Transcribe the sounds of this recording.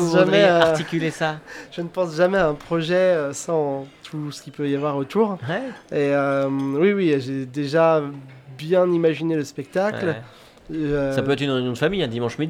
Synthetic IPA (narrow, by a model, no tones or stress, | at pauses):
ʒamɛaʁikʲylesaʒ̥ənəpɑ̃sʒamɛaɛ̃pχɔʒɛøsɑ̃t̪ʰusə̥kʲipøjavwaʁot̪uːʁeømwiwiʒed̪eʒabjɛ̃nimaʒineləspɛk̚t̪akl | sapøɛt̪χynʁenjɔ̃d̪əfamijɛ̃d̪imɑ̃ʃmid̪